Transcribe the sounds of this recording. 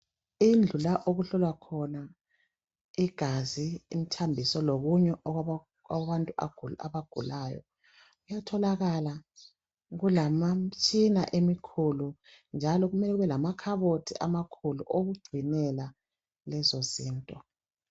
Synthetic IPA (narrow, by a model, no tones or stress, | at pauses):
ind͡ɮʱulaʔoɣuɬɔlwakʰɔna | iɡ̥ʱaziːm̩tʰambʱisɔloɣuɲɛʔɔ | awβantʼuḁa̰βaɡ̥ʱṵlajɔ̰ | ujatʰɔlaɣala | ɣulamat͡ʃʼina̰ʔemikʰulund͡ʒʱalɔɣumɛlɛɣuβɛlamakʰaβotʰiʔa̰makʰulṵʔoɣuɡ͡ǀʱinɛla | lɛzoziːntʼɔ